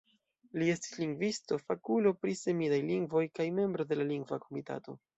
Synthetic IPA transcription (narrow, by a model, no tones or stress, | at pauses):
lie̞sti̥sliŋɡvisto̞fakulo̞pɾise̞midajliŋɡvo̞jkajme̞mbɾo̞de̞laliŋɡvako̞mita̰to̞